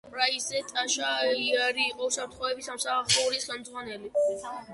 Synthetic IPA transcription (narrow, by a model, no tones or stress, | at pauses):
pʼɾaizɛt̪ʼaʃaiaɾiːqʼɔusapɾt̪χɔɛbisamsaaχɔuɾisχɛmd̪zʁwanɛli